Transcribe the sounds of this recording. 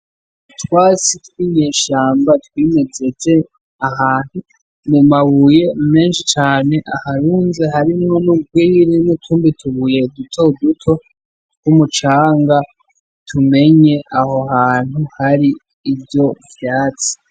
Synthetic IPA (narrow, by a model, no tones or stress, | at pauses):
twaːt͡sitwiɲeːʃaːmbatwiːme̞ze̞ze̞ | aɦaːn̥hu | mumaβuːje̞me̞ːnʃit͡ʃaːne̞ʔahaɾuːnze̞haɾimŋo̞nub̚wiːɾinutʰuːmbitʰuβuje̞dutʰo̞dutʰo̞ | kumut͡ʃaːŋɡa | tʰume̞ɲe̞ʔaho̞haːn̥huhaɾiː | vjo̞vjaːt͡si̥